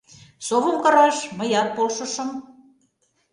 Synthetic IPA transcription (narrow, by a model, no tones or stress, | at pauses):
soβɤ̆mkɤ̆ɾɑʃmə̆jɑt̪̚polʃɤ̆ʃɤ̆m